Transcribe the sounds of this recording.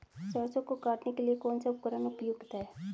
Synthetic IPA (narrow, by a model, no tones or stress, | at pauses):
səːsõkokaːʈnekeliekɔːnsaʊpkəɾənʊpjʊɡt̪ɦɛː